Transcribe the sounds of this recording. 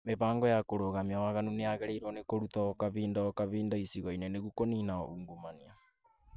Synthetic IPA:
meβaːŋɡɔjakoɾoɣamiawaɣanuneaɣɛɾeiɾɔnekoɾut̪ɔkaβiːndɔkaβiːndaisiɣɔinɛneɣukoniːnaɔ̰ʔuːŋɡomania

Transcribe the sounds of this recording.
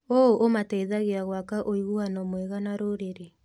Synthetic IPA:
ooʔomatɛiðaɣeaɣwakaʔoiɣuanɔmwɛɣanaɾoɾeɾe

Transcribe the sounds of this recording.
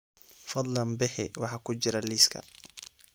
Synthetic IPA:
fɑd̪ˤlɐnbɪhɪ̰wɑħɑːkʰʊd͡ʒɪɾɐliːskʰɐ̰

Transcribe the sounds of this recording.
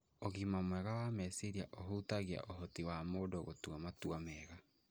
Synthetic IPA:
oɣimamwɛɣawamesiɾia̰ʔoɦutaɣia̰ʔoɦɔtiwamoːdoɣotuamatuamɛːɣa

